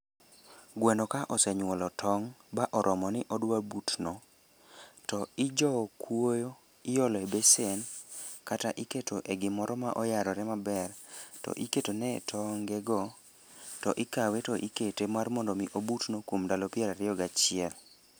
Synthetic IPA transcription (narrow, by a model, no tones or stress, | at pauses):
ɡwɛnɔkaʔɔsɛɲwɔlɔtʰɔŋbaʔɔɾʔɔmɔnɪʔɔdwabutno | tɔɪd͡ʒɔkwojo | ɪjɔlɔebesenkataʔiketʰoʔeɡɪmɔɾɔmaʔɔjaɾɔɾɛmabɛrtɔ̰ʔiketonɛ̰tʰɔŋɡɛɡɔ | tɔʔɪkawetɔʔiketemarmɔndɔmiʔobutnokwomdalɔpjɛɾaɾɪɔɡat͡ʃɪɛl